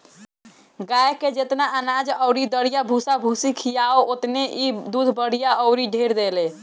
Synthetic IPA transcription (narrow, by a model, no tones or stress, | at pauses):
ɡajked͡ʒet̪naʔənad͡ʒəwɾid̪əɽijabʱusabʱusikʰijaoʔot̪neʔid̪ud̪ʱbəɽ̤ijaəwɾiɖʱeɾd̪elɛ